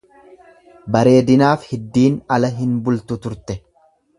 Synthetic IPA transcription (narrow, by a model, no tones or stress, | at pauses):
bɐɾe̞ːd̪ɪnaːfhɪd̪ːiːnɐlɐɦɪnbʊlt̪ʊt̪ʊɾt̪ɛ